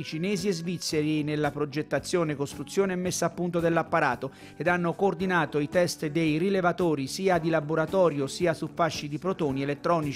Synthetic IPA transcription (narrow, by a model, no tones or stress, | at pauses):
it͡ʃinɛːziezvit̪sːeɾinelːapɾod͡ʒet̪ːat̪sːjoːnekost̪ɾut̪sːjoːneɛmːesːaːpːunt̪od̪elːapːaɾaːt̪o | ed̪anːokoːrd̪inaːt̪oit̪ɛst̪d̪ejrilevat̪oːɾisiːad̪ilaboɾat̪ɔːɾjosiːasufːaʃːid̪ipɾot̪oːnielet̪ːɾɔːnit͡ʃ